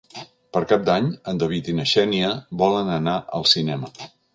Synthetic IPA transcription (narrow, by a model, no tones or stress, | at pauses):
pəɾkap̚d̪aɲənd̪əβ̞it̪inəʃɛniəβɔlənənaʔəlˠsinɛmə